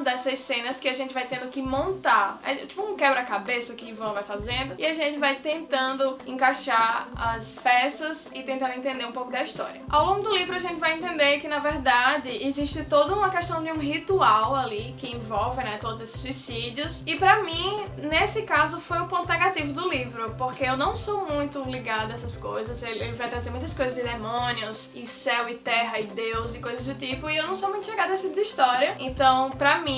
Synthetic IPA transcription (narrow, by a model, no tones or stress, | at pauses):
d̪ɛsɐzsẽnɐskɪaʒẽnt̪ɪvajt̪ẽnd̪ʊkɪmõnt̪aɾɛ̰t̪i̥pʊũkɛbɾɐkabesɐkɪvɐ̃w̃vajfazẽnd̪ʊɪaʒẽnt̪ɪvajt̪ẽnt̪ɐ̃nd̪ʊẽkaʃaɾɐ̰spɛst̪ɐz | ɪt̪ẽnt̪ɐ̃d̪ʊẽnt̪ẽnd̪eɾũpowkʊd̪ɐiʃt̪ɔ̰ɾiɐa̰wlõŋɡʊd̪ʊlivɾʊaʒẽnt̪ɪvajẽnt̪ẽnd̪ekɪnɐvɛɾd̪ad͡ʒɪʔeziʃtɪt̪od̪ɐũmɐkɛʃt̪ɐ̃w̃d͡ʒɪũɦit̪uawalikɪẽvɔwvɪnɛt̪od̪ʊzesɪ̥suisidiʊsɪpɾɐmĩ | nesɪkazʊfojʊpõnt̪ʊnɛɡat̪ivʊd̪ʊlivɾʊpoɾkeewnɐ̃w̃somũj̃t̪ʊliɡad̪ʊɐɛsɐskojzɐzelelɪvajt̪ɾazeɾmũj̃t̪ɐskojzɐzd̪ɪd̪emõniʊs | ɪsɛwɪt̪ɛɦɐɪd̪ewzɪkojzɐzdʊt̪ipʊɪewnɐ̃w̃somũj̃t̪ʊliɡad̪ʊesɪt̪ipʊd̪ɐiʃt̪ɔɾiɐẽt̪ɐ̃w̃pɾɐmĩ